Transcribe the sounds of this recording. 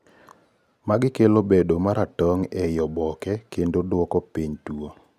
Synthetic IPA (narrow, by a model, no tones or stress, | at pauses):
maɡɪkelobedomaɾatɔŋɛjɔbɔkɛkendodwɔkɔpiɲtuo